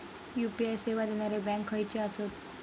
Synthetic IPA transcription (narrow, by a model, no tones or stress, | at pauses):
jupiajseʋad̪enaɾebɛ̃ŋkɦəjt͡ɕeəsət̪